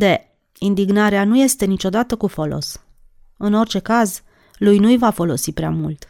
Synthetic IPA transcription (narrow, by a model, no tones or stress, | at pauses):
d̪e | ind̪iɡnaɾeanuje̞st̪e̞nit͡ʃo̞d̪at̪əkufo̞lo̞̰s | ɨno̞rʲt͡ʃe̞kaz | lujnujvafo̞lo̞sipɾea̰mult̪